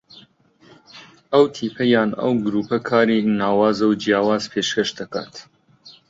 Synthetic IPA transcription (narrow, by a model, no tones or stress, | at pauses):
ɐwt̪ʰiːpʰɐjaːnɐ̰wɡɾuːpʰɐkʰaːɾinaːwaːzɐwd͡ʒijaːwaːzpʰeːʃkɐʃd̪ɐka̰ːt̪